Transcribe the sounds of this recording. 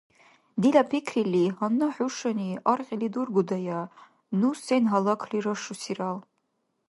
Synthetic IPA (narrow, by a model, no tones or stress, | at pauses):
d̪ilapʰikʰrilihanːaħʊʂaniarqʲʼilidurɡʷʊdaja | nusenɦalakʰliɾaʂusiral